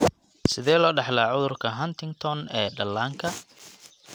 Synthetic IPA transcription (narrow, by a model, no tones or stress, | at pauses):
sɪðɛːlɔːɖɑħlaːʕʊðʊrkʰɐɦɐnt̪ʰɪŋɡt̪ʰɔnɛːɖɐlːaːŋkʰɐ